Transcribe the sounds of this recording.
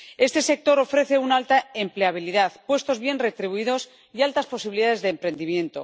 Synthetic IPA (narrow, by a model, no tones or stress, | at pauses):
e̞st̪e̞se̞k̚t̪o̞ɾo̞fɾe̞θe̞unaalt̪aempleaβ̞iliðaðpwe̞st̪o̞zβje̞nre̞t̪ɾiβuiðo̞s | ialt̪aspo̞siβiliðaðe̞zðeːmpɾe̞nd̪imjẽ̞nt̪o̞̰